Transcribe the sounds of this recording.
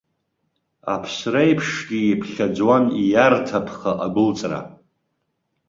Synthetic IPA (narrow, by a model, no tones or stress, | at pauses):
a̰pʰsrajpʰʂɡʲiepʰχʲad͡zwanijartʰapʰχaʔaɡʷʊlt͡sʼra̰